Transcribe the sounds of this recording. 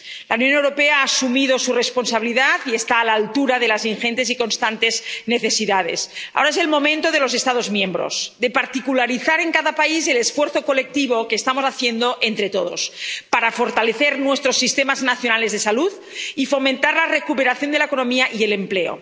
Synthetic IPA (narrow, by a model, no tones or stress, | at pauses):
launjonewɾo̞peaaːsumiðosurespo̞nsaβiliðat̪ie̞st̪aːlaːlt̪uɾaðe̞lazinxent̪esiko̞nst̪ant̪e̞zne̞θe̞siðað̞ḛsa̰oɾaes̬e̞lmomẽ̞nt̪oð̞e̞lo̞z̬e̞st̪að̞o̞zmjẽ̞mbɾo̰zd̪epaɾt̪ikulaɾiθaɾeŋkaðapaizelesfweɾθokolek̚t̪iβ̞okeːst̪amosaθjend̪o̞ʔent̪ɾet̪oðospaɾafo̞ɾt̪aleθeɾnwest̪ɾosːist̪emaznaθjonale̞zðesaluð | ifo̞mẽnt̪aɾlarekupeɾaθjo̞nd̪elaekono̞miaʔielempleo̰